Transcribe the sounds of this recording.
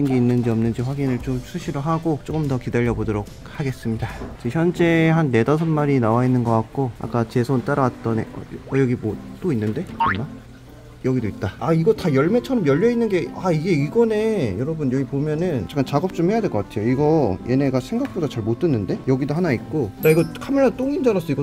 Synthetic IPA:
inɡe̞inːɯnd͡ʑiʌmnɯnd͡ʑiɸwaɡinɯɭt͡ɕomsʰuɕʰiɾɯɭɦaɡot͡ɕ͈ok͈ɯmtʌkidaʎːʌbodʌɾok̚haɡe̞s͈ɯmɲidat͡ɕiçjʌnd͡ʑeɦanːe̞dʌsʰʌnmaɾinawainːɯnɡʌk͈ak̚k͈oa̰k͈at͡ɕe̞sʰont͈aɾawat̚t͈ʌnḛʌ̰ʌjʌɡimot͈oinːɯnde̞ʌmna | jʌɡidoit̚t͈aaiɡʌtajʌɭme̞t͡ɕʰʌɾʌmjʌʎːʌinːɯnɡe̞aiɡe̞iɡʌne̞jʌɾʌbɯnjʌɡipomjʌnɯnt͡ɕak͈ant͡ɕaɡʌp̚t͡ɕ͈omhe̞jadweɭkʌk͈atʰe̞joiɡʌje̞ne̞ɡasʰe̞ŋɡak̚p͈odat͡ɕaɭmot͈ɯnːɯnde̞jʌɡidoɦanaik̚k͈odaiɡʌkʰamiɾat͈oŋind͡ʑanas͈ʌiɡʌ

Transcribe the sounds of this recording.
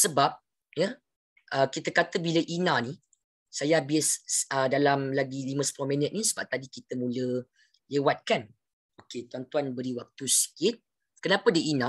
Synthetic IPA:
səbap̚ | jə | ʔəkit̪əkat̪əbiləʔinãni | sajaabɪsədalamlaɡilimə̃sə̥plomĩnət̪̚nisəbap̚t̪adikit̪əmũlə | lewat̪̚kan | oket̪uant̪uanbəɾiwak̚t̪usə̥kit̪̚ | kənapədəʔinã

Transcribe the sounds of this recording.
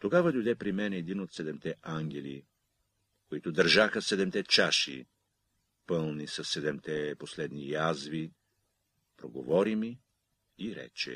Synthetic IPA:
t̪oɡavɐd̪ojd̪ɛpɾimɛnɛːd̪inot̪sɛd̪ɛmt̪ɛʔaŋɡʲɛli | koit̪ʊd̪ɐɾʒaxəsɛd̪ɛmt̪ɛt͡ʃaʃḭ | pəlˠnisɐsːɛd̪ɛmt̪ɛposlɛd̪nijazvi | pɾoɡo̰vɔɾimi | iɾɛ̰t͡ʃɛ̰

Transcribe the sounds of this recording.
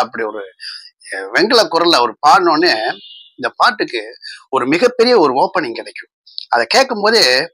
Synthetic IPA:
ɐpːɐɽiɔɾɯ | ʋɛŋɡɯɭɐkːʊɾɐlɐɔɾɯpaːɾnõːnːeːɪnd̪ɐpaːʈːɯkːɯɔɾɯmɪɣɐpːɛɾɪjɐɔɾɯoːpːɐɳɪŋkɪɽɛkːɯ̥̃ | ɐðɐkeːʈkːɯmpoːðɯ

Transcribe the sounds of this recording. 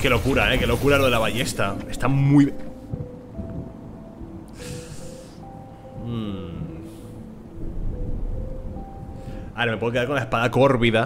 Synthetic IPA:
ke̞lo̞kuɾaeke̞lo̞kuɾalo̞ðe̞laβaʝe̞st̪ae̞st̪amui | aɾemepwkeaɾko̞laespaðako̞ɾβiða

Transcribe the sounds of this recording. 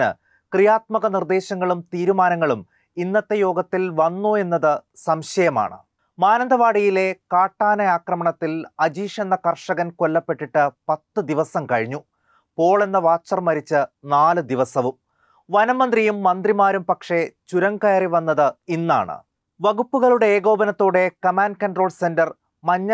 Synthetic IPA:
nɨ̰ | krijaːt̪̚mɐɣɐnird̪e̞ːɕɐŋːɐɭumt̪iːɾumaːnɐŋːɐɭum | inːɐt̪ːejo̞ːɡɐt̪ːilʋɐnːoːe̞nːɐðɨsɐmɕɐjɐma̰ːɳɨ̰ | maːnɐnd̪ɐʋaːɽijile̞kaːʈːaːnɐaːkrɐmɐɳɐt̪ːilɐd͡ʑiːʂenːɐkɐrʂɐɣɐnko̞lːɐpːe̞ʈːiʈːɨpɐt̪ːɨd̪iʋɐsɐmkɐɻiɲːu | po̞ːɭe̞nːɐʋaːt͡ɕːɐrmɐɾit͡ɕːɨnaːlɨd̪iʋɐsɐʋum | ʋɐnɐmɐnd̪rijumːɐnd̪rimaːɾumpɐkʂe̞t͡ɕuɾɐŋkɐjɐriʋɐnːɐðɨinːa̰ːɳɨ̰ | ʋɐɣupːuɣɐɭuɽe̞eːɡo̞ːbɐnɐt̪ːo̞ːɽe̞kɐmaːnɖ̚kɐnɖro̞ːlɭse̞ndɐr | mɐɲːɐ

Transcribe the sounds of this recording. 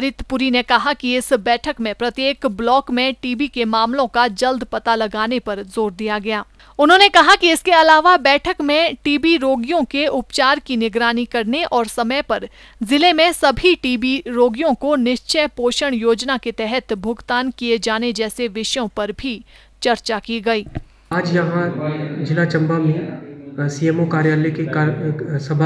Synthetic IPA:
ɾɪt̪ʰpʊɾinekɐɦakiɪsbɛːʈʰəkmẽpɾɐt̪jeːkblɔːkmẽʈiːbikemaːmlõkad͡ʒɐld̪pɐt̪alɐɡaːnepɐɾzoːɾd̪ijaɡɐjaː | ʊnɦõnekɐɦakiɪskeɐlaːʋabɛːʈʰəkmẽʈiːbiɾoːɡijõkeʔʊpt͡ʃaːɾkinɪɡɾaːnikɐɾneʔɔːɾsɐməjpɐɾ | zɪlemẽsɐbʱiʈiːbiɾoːɡijõkonɪʃt͡ʃəjpoːʃəɽ̃joːd͡ʒnaket̪ɛɦɛt̪bʱʊɡt̪aːnkijed͡ʒaːned͡ʒɛːseʋɪʃjõpɐɾbʱi | t͡ʃɐɾt͡ʃakiɡɐiː | aːd͡ʒjɐɦãd͡ʒɪlat͡ʃɐ̃mbamẽsiːemokaːɾjaːlekekːsɐbʱ

